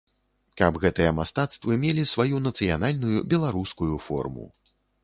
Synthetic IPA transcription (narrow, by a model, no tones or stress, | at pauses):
kɐbɣɛt̪ɨjɛmast̪at̪st̪vɨmʲelʲisvajunɐt̪sɨjanalʲnujubʲɛlˠaɾuskujufɔ̰rmṵ